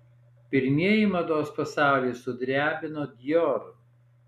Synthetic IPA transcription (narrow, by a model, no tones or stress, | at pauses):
pʲɪɾʲmʲiɛjɪmɐd̪oːspɐsɑˑʊlʲiːsʊd̪ʲɾʲæːbʲɪnoːd̪ʲjɔɾ